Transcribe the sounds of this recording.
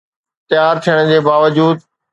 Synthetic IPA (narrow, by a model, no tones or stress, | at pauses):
t̪ɪjaːɾt̪ʰijəɽ̃d͡ʑeːbaːʋəd͡ʑuːd̪̚